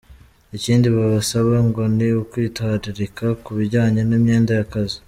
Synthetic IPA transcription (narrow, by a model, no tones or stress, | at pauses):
iciːndiβaβasaβaŋɡo̞niukwiːtwaːɾiɾikʰakuβiɾɟaːɲenimɲe̞ːndajakazi